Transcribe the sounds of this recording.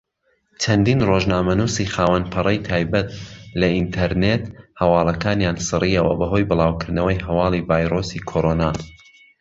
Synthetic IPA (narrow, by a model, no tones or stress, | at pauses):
t͡ʃʰɐnd̪iːnroʒnaːmɐnuːsiχaːwɐnpʰɨrˤɐjt̪ʰaːjbɐt̪lɐint̪ʰɐɾnet̪hɐwɑːlˠɐkaːnjaːnsɨriːɐwɐ̰bɐɦo̞jbɨlˠaːwkʰɨɾd̪nɐwəjɦɐwɑːlˠivaːjɾosikʰoɾonaː